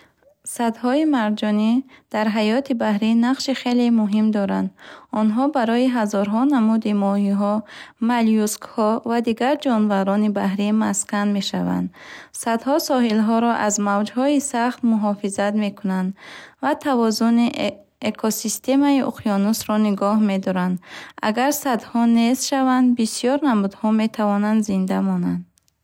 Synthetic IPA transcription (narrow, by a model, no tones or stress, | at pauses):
sad̪hɔimaɾd͡ʒɔnid̪̥aɾɦajɔt̪ʰibahɾinaqʃiχe̞lemuɦimd̪ɔɾand̪ɔnɦɔbaɾɔiɦazɔɾɦɔnamud̪imɔhiɦɔmalijuskhɔvad̪iɡaɾd͡ʒɔnvaɾɔnibahɾimaskanme̞ʃava̰nd̪sad̪hɔsɔɦilɦɔɾɔʔazmavd͡ʒhɔisaχt̪muɦɔfizat̪me̞kʰunand̪vat̪ʰavɔzuni | ekʰosist̪e̞maiʔṵqʰijɔnusɾɔniɡɔhme̞d̪ɔɾand̪a̰ɡaɾsad̪hɔnest̪ʃavand̪bisijɔɾnamud̪hɔme̞t̪ʰavɔnand̪zind̪amɔnand̪